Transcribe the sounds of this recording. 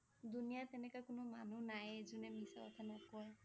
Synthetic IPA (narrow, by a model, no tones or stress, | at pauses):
d̪unijat̪enekakunɔma̰nunajed͡ʒunemisaɔ̰t̪ʰanɔkɔe